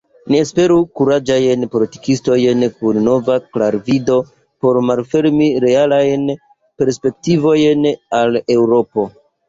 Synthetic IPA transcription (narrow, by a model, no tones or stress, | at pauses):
niespe̞ɾukuɾad͡ʒajnpo̞liti̥kisto̞jnkunːo̞vaklaɾvido̞ | po̞ɾmalfe̞ɾmiɾe̞alajn | pe̞ɾspe̞k̚tivo̞jnale̞wɾo̞po̞